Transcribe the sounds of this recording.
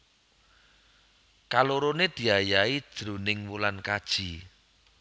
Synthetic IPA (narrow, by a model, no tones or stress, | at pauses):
kaloɾoned̪̥i̤ajai̥ʒ̥ɾo̤nɪŋmulankad̥ʒ̥i̤